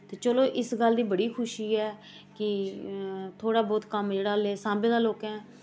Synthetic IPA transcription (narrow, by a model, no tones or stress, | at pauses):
t̪eːt͡ʃəloːʔɪsɡəld̪iːbəɽiːkʰʊʃiːɛː | kɪ | t̪ʰoːɽaːbɔːt̪kəmd͡ʒeːɽaːleːsãːbẽːd̪aːloːkɛ̃ː